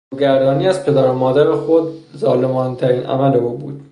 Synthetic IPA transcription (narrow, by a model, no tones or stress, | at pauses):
ɡæɾd̪ɒːniːæzpʰe̞d̪æɾomɒːd̪æɾexod̪̚zɒːle̞mɒːnt̪ʰæɾiːnʔæ̰mæleuːbuːd̪̥̚